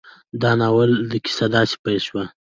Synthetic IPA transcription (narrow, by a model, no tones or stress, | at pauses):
d̪ɑnɑwəld̪əkʲi̥sad̪ɑsi̥pajʃwa